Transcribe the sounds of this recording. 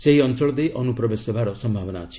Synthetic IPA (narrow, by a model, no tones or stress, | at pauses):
seɦiɔnt͡ʃɔɭɔd̪ejʔɔnupɾɔbesebaɾɔsɔmbʱabɔnaɔt͡ʃʰi̥